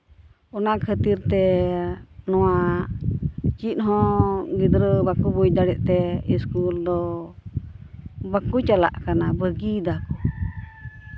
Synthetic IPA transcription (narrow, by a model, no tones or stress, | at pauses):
ɔnakʰət̪iɾt̪ɛ | nɔwa | t͡ʃiʔ̪ɦɔ̃ɡid̪ɾəbakubujd̪aɾɛʔt̪ɛiskuld̪ɔ | bakut͡ʃala̰ʔkanabəɡid̪aku̥